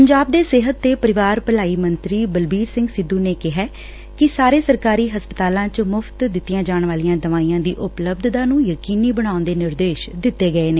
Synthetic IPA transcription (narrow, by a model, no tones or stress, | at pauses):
pəɲd͡ʒaːb̚d̪eːseːɦət̪ːeːpəɾɪʋaːɾpəlaːiːmənt̪ɾiːbəlbiːɾsɪ̃ŋɡsɪd̪uːneːkɪɦɛː | kɪsaːɾeːsəɾkaːɾiːɦəspət̪aːlãːt͡ʃmʊpʰt̪d̪ɪt̪ːijãːd͡ʒaːɳʋaːlijãːd̪əʋaːijãːd̪iːʔʊpləb̚d̪d̪ãːnũːjəkiːniːbəɽ̃aːʊnd̪eːnɪɾd̪eːʃd̪ɪt̪ːeːɡəeːneː